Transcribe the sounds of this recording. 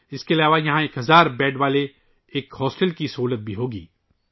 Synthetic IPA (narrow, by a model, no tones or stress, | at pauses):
ɪskeɐlaːʋajɐɦãeːkɦɐzaːɾbɛːɖʋaːle | eːkhɔːsʈəlkisɐɦuːlət̪̚bʱiɦoːɡḭː